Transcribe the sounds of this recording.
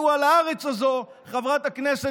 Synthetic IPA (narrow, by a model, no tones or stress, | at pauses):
ualaaʁet͡sazo̞ | χavʁat̪aknese